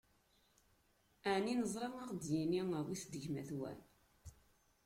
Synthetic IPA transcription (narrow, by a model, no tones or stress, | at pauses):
æʕninəzˤɾˤɑŋɑʁd̪jiniŋəwiθd̪əʝmæθwæ̰n